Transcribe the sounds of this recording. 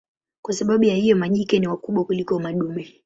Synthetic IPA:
kwasaɓaɓujahijɔmaʄikɛniwakuɓwakulikɔmaɗumɛ

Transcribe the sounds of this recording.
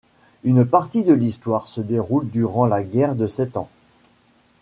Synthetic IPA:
ynpaʁt̪id̪əlist̪waʁsəd̪eʁuld̪yʁɑ̃laɡʲɛʁd̪əsɛt̪ɑ̰̃

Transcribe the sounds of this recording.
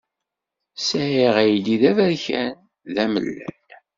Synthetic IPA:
sæhiʁæjliðævæɾçæn | ðæmə̰lːæ̰n

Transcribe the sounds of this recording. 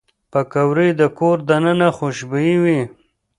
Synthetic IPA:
pəkawɾid̪əkoɾd̪anənaxoʃbiiwi

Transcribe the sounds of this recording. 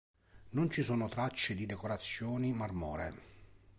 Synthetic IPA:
nont͡ʃisoːnot̪ɾat͡ʃːed̪id̪ekoɾat̪sːjoːnimarmɔːɾe

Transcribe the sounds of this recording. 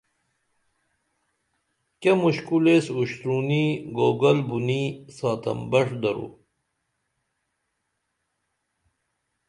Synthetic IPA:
kemuɕkulesuɕt̪ɾuːniɡoːɡɐlbunisaːt̪ɐ̰mbɐʂd̪ɐɾṵː

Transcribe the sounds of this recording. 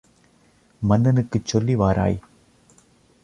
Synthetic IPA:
mɐnːɐnɯkːɯt͡ʃːɔlːiʋaːɾʔa̰ːj

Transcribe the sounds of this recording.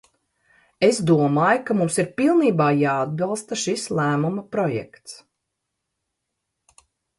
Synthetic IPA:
esd̪uɔmaːjkamumsiɾpilˠniːbaːjaːd̪̚bɑlˠst̪aʃislˠæːmumɐpɾɔjɛ̰kt̪s

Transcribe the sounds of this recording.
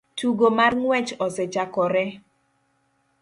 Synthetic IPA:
tʰuɡomarŋwɛt͡ʃɔsɛt͡ʃakɔɾɛ

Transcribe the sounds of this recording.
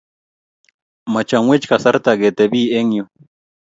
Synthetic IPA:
mat͡ʃaŋwet͡ʃkasaɾt̪aɡet̪ebiːeŋjo

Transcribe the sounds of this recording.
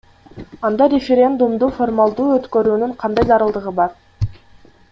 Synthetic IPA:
ɑnd̪ɑɾʲefʲeɾʲe̞nd̪umd̪ufo̞rmalˠd̪uːøt̪kø̞ɾyːnyŋqʰɑnd̪ɑjzɑɾɯlˠd̪ɯʁɯbɑɾ

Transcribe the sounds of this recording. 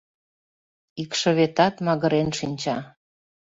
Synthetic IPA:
ikʃɤ̆βet̪ɑt̪mɑɣə̆ɾenʃinʲt͡ɕɑ

